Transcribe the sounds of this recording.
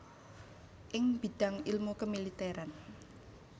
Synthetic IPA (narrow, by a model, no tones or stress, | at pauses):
ʔɪŋb̥i̤ɖ̥ä̤ŋilmukəmilit̪ɛɾan